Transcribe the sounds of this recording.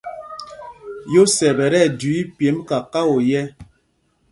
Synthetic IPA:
jo˦sɛ˨bɛ˨ɾɛ˦˨du˨˦i˦pe˨˦mka˨ka˦wo˨jɛ˦

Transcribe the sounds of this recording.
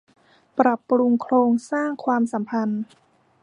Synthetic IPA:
pɾa˨˩pːɾu˧ŋkʰɾoː˧ŋsaː˥˩ŋkʰwaː˧msa˩˦mpʰa˧n

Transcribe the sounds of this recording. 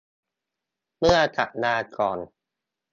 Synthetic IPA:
mɯ˥˩ɐt̪ʰa̰˨˩ʔ̚naː˧kɔː˨˩n

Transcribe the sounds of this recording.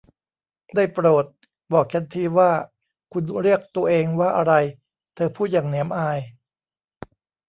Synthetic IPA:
daː˥˩jpɾoː˨˩t̪̚ | bɔː˨˩k̚t͡ɕʰa˧nt̪ʰiː˧waː˥˩ | kʰu˧nɾi˥˩ək̚t̪u˧ɐʔeː˧ŋwaː˥˩ʔa˧ɾa˧j | t̪ʰɤː˧pʰuː˥˩t̪̚jaː˨˩ŋni˩˦əmʔaː˧j

